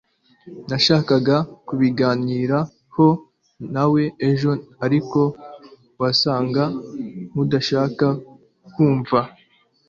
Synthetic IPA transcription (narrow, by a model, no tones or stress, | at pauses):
naʃaːkaɡakuβiɡaːniːɾa | ho̞ | nawe̞eʒo̞aɾiko̞ | wasaːŋɡamudaʃaːka | kuːɱva